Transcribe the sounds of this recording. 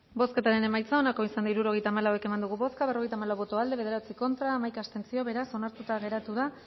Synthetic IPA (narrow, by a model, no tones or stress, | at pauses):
bo̞ske̞t̪aɾe̞ne̞majt͡sao̞nakoisand̪iɾuɾo̞ɣe̞jt̪aːmalawe̞ke̞mand̪uɣuβo̞skaβero̞ɣe̞jt̪amalawβo̞t̪oald̪e̞e̞ð̞e̞ɾat͡siko̞nt̪ɾaːmajkast̪e̞nt͡sio̞βe̞ɾaso̞naɾt̪ut̪aɣe̞ɾat̪uða